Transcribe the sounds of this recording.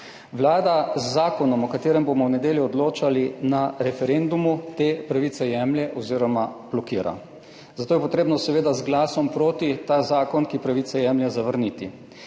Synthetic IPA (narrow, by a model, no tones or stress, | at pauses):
ʋlaːd̪azːaːkɔnɔmɔkat̪eːɾɛmbomɔwnɛd̪eːljɔɔd̪loːt͡ʃalinaɾɛfɛɾend̪umut̪eːpɾaʋiːt̪sɛjɛmljɛʔɔziɾɔmab̥lɔkiːɾa̰ | zat̪oːjɛpɔt̪ɾeːbnɔsɛʋeːd̪azɡlaːsɔmpɾoːt̪it̪aːzaːkɔnkipɾaʋiːtsɛjɛmljɛzaʋəɾniːt̪i